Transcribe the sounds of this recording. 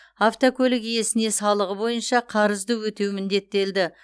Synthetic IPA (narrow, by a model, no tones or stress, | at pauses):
aft̪okʲʰɵlɪkije̞sɪne̞sɑlˠəʁəbo̞jənʃɑqʰɑɾəzd̪əwɵt̪e̞wɪmɪnd̪e̞t̪ːe̞ld̪ɪ